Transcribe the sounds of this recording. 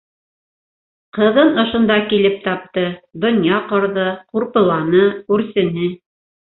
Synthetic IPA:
qɤ̆ðɤnŏʃŏnd̪ɑkilɘp̚t̪ɑp̚t̪ɤd̪ŏnjɑqŏɾðɤquɾpɤ̆lˠɑnɤkʉɾsɘ̆nɘ

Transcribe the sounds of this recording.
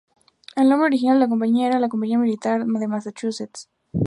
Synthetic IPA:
elnombɾeoɾixinald̪eak̬o̞mpaɲiaeɾalak̬ompaɲiamilit̪aɾðemasat͡ʃuset̪s

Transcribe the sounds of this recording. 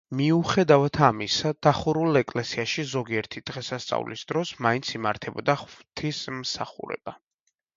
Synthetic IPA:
miuχɛd̪avat̪ʰamisad̪̥aχuɾulˠɛkʼlɛsiaʃizɔɡiɛɾt̪ʰid̪̥ʁɛsast̪sʼa̰vlḭsd̪̥ɾɔsmaint̪sʰimaɾt̪ʰɛbɔ̰d̪aχvt̪ʰismsa̰χṵɾɛ̰b̥a

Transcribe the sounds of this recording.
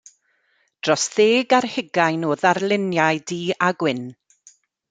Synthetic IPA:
d̥rɔsðeːɡarhɪɡajnoːðarlˠɪnjajdiːaɡwɪn

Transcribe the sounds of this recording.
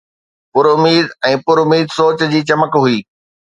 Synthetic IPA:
pʊɾʊmiːd̪ɛ̃ːpʊɾʊmiːd̪soːt͡ɕd͡ʑiːt͡ɕɐməkɦʊiː

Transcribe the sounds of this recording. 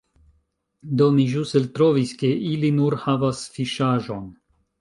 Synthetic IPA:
d̪omiʒuselt̪ɾoviske̞ʔilinuɾhavasfiʃaʒo̞n

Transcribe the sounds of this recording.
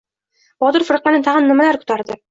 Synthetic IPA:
b̥ɒd̪ʊɾfɨɾqːɑnɪt̪ʰaʁɨnːɪmalaɾkʰʊ̥t̪ʰaɾd̪ɪ

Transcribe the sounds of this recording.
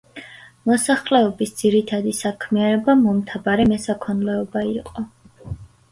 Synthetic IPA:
mɔsaχlɛɔbisd̪ziɾit̪ʰad̪isakʰmianɛbamɔmt̪ʰabaɾɛmɛsakʰɔnlɛɔbaiqʼɔ

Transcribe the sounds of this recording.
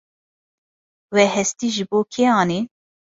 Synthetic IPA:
wɛhɛst̪iːʒɨboːkʰeːɑːni

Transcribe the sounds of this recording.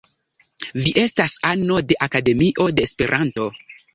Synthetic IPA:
viʔe̞stasano̞de̞ʔakade̞miʔo̞de̞ːspe̞ɾʔanto̞

